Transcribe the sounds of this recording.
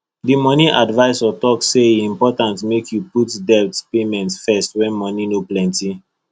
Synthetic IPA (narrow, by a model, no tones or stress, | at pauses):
dimɔniʔadvaɪsɔtɔkseĩmpɔtãntmekʰjuputdɛtpemɛ̃ntsfɛstwɛ̃nmɔninoplɛ̃nti